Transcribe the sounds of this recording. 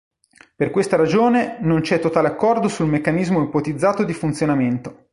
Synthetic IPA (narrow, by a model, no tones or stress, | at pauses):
perkwest̪aɾad͡ʒoːnenont͡ʃɛt̪ːot̪aːleakːɔrd̪osulmekːanizmoipot̪id̪zːaːt̪od̪ifunt̪sjonament̪o̥